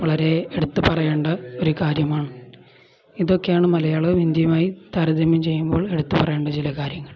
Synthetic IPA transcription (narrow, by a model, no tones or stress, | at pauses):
ʋɐɭɐɾe̞eɽut̪ːɨpɐrɐjeːɳɖɐoɾukaːɾjɐmaːɳɨ | iðo̞kːejaːɳɨmɐlɐjaːɭɐɨʋind̪jɐmaːjit̪aːɾɐd̪ɐmjɐmt͡ɕe̞jːumbo̞ːɭe̞ɽut̪ːupɐrɐjeːɳɖɐt͡ɕilɐkaːɾjɐŋːɐɭ